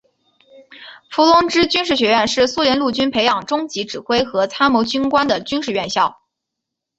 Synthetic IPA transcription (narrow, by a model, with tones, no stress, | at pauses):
fu˧˥lʊ˥ŋʈ͡ʂɻ̩˥t͡ɕy˥nʂ̬ɻ̩˥˩ɕɥɛ˧˥ɥɛ˥˧nʂɻ̩˥˩su˥ljɛ˧˥nlu˥˩t͡ɕy˥npʰe˧˥ɪjɑ˨˩ŋʈ͡ʂʊ˥ŋt͡ɕi˧˥ʈ͡ʂɻ̩˨˩xwe˥ɪxɤ˧˥t͡sʰa˥nmɔ˧˥t͡ɕy˥nkwa˥nd̪ə˨t͡ɕy˥nʂɻ̩˥˧ɥɛ˥˧nɕjɑ˥˩ʊ